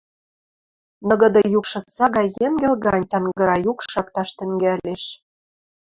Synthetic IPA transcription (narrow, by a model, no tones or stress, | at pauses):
nɤ̆ɣɤ̆d̪ɤ̆jukʃɤ̆sɑɣɑjːeŋɡɘ̆lɣɑnʲtʲɑnɡɤ̆ɾɑjukʃɑkt̪ɑʃt̪ɘ̆ŋɡæleʃ